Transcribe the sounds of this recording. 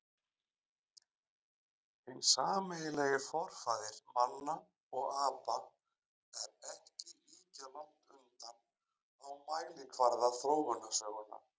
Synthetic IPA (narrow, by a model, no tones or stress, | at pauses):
hɪnsaːmɪjɪlɛɣɪfɔɾ̥faːðɪɾ̥manːa | ɔɣaːpa | ɛɾɛhcɪliːcalawht̪ʏnt̪an | awmaːjliŋkʰvaɾðaθɾoːwmʏnasœːɣʏna̰